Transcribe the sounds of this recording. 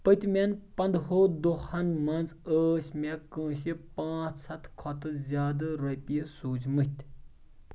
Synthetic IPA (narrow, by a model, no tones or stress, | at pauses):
pət̪ʲmʲenpɐnd̪ɦoːd̪oxɐnmɐnt͡səːʃmekə̃ːɕipãːt͡sʰsʰɐt̪ʰkʰɔt̪ɨzʲjaːd̪ɐɾɐjpisuːd͡ʒmət̪ʲ